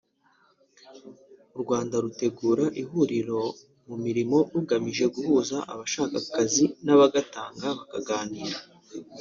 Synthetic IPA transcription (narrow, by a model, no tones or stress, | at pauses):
uɾɡwaːndaɾute̞ɡuːɾaʔihuɾiɾo̞ | mumiɾimo̞ɾuɡamiʒe̞ɡuhuːzaʔa̰βaʃaːkakazinaβaɡataːŋɡaβakaɡaːniːɾa